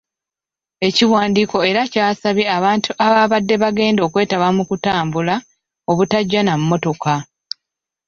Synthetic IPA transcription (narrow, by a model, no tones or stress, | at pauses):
e̞ciwaːndiːko̞e̞ɾacaːsaβjeaβaːntʰuʔaβaːβadːe̞βaɡe̞ːndo̞ːkwe̞ːtaβamukutaːmbula | o̞βutaɟːanammːo̞to̞ka